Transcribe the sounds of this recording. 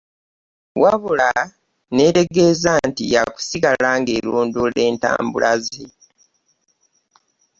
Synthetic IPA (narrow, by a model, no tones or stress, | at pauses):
wʔaβula | ne̞te̞ɡe̞zantija̰ku̥siɡalaːŋɡeloːndole̞ːnta̰ːmbṵlaze